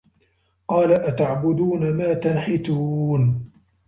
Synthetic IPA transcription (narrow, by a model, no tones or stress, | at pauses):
qɑːlaʔat̪aʕbʊd̪uːnamaːt̪anħɪt̪uːn